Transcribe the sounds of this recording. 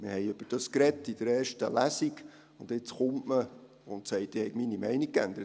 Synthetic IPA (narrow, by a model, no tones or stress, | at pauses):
mɪhɛjʉb̥əɾd̥ɑskɾɛtːid̪̥əɾeːrʃtəlæsik | ʊnd̪ɪt͡sχʊmʔmə | ʊntsɛɪt̚d̥̪ɪhɛɪkminimɛɪnik̚kæ̰nd̪əɾət